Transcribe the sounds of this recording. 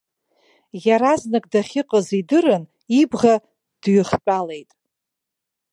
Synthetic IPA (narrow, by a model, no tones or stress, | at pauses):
jaɾaznɨkʼdaχʲɪqʼəzidɨrɨn | ibʁa | d̥ɥʏχt͡pʷʼale̞jtʼ